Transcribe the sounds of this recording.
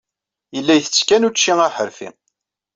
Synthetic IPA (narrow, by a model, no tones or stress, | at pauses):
jəlːæjθət͡sːkænut͡ʃːiŋæħəɾfḭ